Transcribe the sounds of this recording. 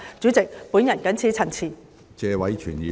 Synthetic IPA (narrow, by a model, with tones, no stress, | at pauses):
t͡syː˨˥t͡sɪ˨k̚puː˨˥njɐ˨˩nkɐ˨˥nt͡sʰiː˨˥t͡sʰɐ˨˩nt͡sʰiː˨˩ | t͡sɛː˧wɐ˨˥jt͡ʃʰyː˨˩njiː˨˧